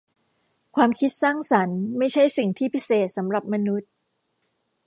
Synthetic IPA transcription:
kʰwaː˧mkʰi˦˥t̪̚saː˥˩ŋsa˩˦nma˥˩jt͡ɕʰa˥˩jsi˨˩ŋt̪ʰiː˥˩pʰi˦˥seː˨˩t̪̚sa˩˦mɾa˨˩p̚ma˧nu˦˥t̪̚

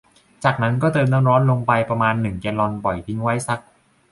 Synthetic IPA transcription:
t͡ɕaː˨˩k̚na˦˥nkɔː˥˩t̪ɤː˧mt̪ɔː˥˩mɾɔː˦˥nlo˧ŋpa˧jpɾa˧maː˧nːɯ˨˩ŋkɛː˧lɔ˧npɔ˨˩jt̪ʰi˦˥ŋwa˦˥jsa˦˥k̚

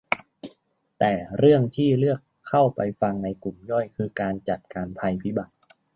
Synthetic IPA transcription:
t̪ɛː˨˩ɾɯ˥˩əŋt̪ʰiː˥˩lɯ˥˩əkʰːa˥˩wpa˧jfa˧ŋna˧jku˨˩mjɔ˥˩jkʰɯː˧kaː˧nt͡ɕa˨˩t̪̚kaː˧npʰa˧jpʰi˦˥ba˨˩t̪̚

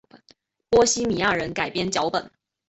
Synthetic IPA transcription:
pwɔ˥ɕi˥mi˨˩a˥˩ɻə˧˥nka˨˩ɪpjɛ˥nt͡ɕjɑ˧˥ʊpə˨˩˦n

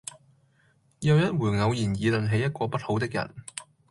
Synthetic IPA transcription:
jɐ˨˧wjɐ˥t̚wuː˨˩ŋɐ˨˧wjiː˨˩njiː˨˧lɵ˨˩nɦe˨˧jɐ˥t̚kʷɔː˧pɐ˥t̚ho˨˧wt̪ɪ˥k̚jɐ̰˨˩n

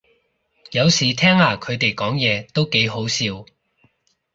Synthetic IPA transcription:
jɐ˨˧wsiː˨˩t̪ʰɛː˥ŋhaː˨kʰɵ˨˧ɥt̪e˨jkɔː˨˥ŋjɛː˨˧t̪o˥wke˨˥jɦo˨˥wsiː˧w

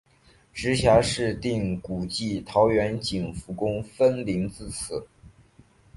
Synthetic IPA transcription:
ʈ͡ʂɻ̩˧˥ɕja˧˥ʂɻ̩˥˧t̪i˥˩ŋku˨˩t͡ɕi˥˩t̪ʰɑ˧˥ʊɥɛ˧˥nt͡ɕi˨˩ŋfu˧˥kʊ˥ŋfə˥nli˧˥ŋt͡sɹ̩˥˩t͡sʰɹ̩˨˩˦

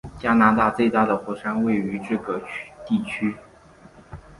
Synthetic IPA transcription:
t͡ɕja˥na˧˥t̪a˥˧t͡swe˥˧ɪt̪a˥˩d̪ə˩xwɔ˧˥ʂa˥nwe˥˩ɪy˧˥ʈ͡ʂɤ˥˩ɡə˩t̪i˥˩t͡ɕʰy˥

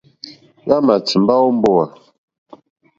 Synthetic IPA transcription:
ɣa˦ma˨t͡si˨mba˦ɔ˦m̩˦bɔ˦wa˨

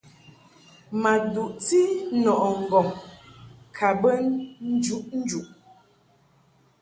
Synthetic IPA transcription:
ma˨du˨ʔti˦nɔ˨ʔɔ˨ŋ̩˨ɡɔ˨ŋ | kʰa˨bə˦nn̩˦d͡ʒu˦ʔn̩˦d͡ʒu˨ʔ

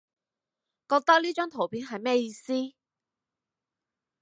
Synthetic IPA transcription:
kɔː˧k̚t̪ɐ˥k̚liː˥t͡ʃœː˥ŋt̪ʰo˨˩wpʰiː˨˥nɦɐ˨jmɛː˥jiː˧siː˥

